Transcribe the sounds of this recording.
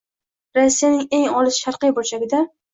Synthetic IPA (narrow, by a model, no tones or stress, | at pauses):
ɾasːijanɪŋe̞ŋɒlˠɪsʃaɾqɨjbolt͡ʃʰaɡʲɪd̪a